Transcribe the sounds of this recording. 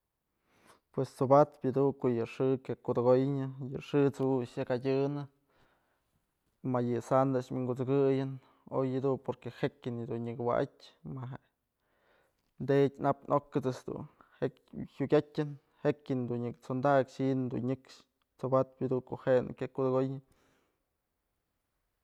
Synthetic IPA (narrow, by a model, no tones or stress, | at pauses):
pwest͡sobat̪pʲjɨd̪ukoʔjɨʂɨkjakud̪ɨɡojɲɨjɨʂɨt͡suʃjɨkadʲɨnɨ | majɨsand̪aʂmiŋɡut͡sɨɡɨjɨn | o̰jɨd̪unpoɾkehekʲɨnɨd̪unɲɨkwa̰ʔa̰tʲmaɦe | nd̪etʲnapnʔokːɨt͡sɨsd̪ṵnhekhʲuɡʲatʲɨn | hekʲɨnd̪unɲɨkt͡sond̪akʂind̪ṵnɲɨkʂ | t͡sobat̪̚pjɨd̪uŋkoʔhenɨ̰kʲakud̪ɨɡojɨ